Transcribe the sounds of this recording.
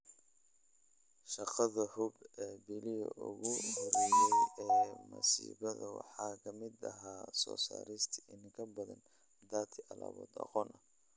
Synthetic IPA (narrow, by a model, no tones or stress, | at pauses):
ʃɑqɑðɐhʊbɛːbɪlɪjɐʔʊɣʊhɔɾɛjɛjɛːmɐsḭːβɐðɐwɑħɑːkʰɐmɪd̪ɐɦaːsɔːsa̰ːɾɪst̪ʰi̥ɪnɪŋkʰɐbɐðɐn | d̪aːt̪ʰɪɐlɑ̰βɔ̰ːd̪ɑ̰qɔːnʔɐ